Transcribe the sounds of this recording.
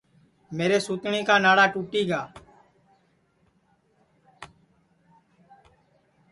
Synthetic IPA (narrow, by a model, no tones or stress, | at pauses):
meːɾeːsuːt̪ɳẽːkaːnaːɽaːʈuːʈiːɡaː